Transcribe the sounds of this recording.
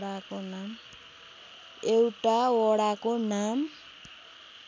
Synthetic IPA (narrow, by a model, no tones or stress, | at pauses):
ɽakonam | ewʈawɔɽakonam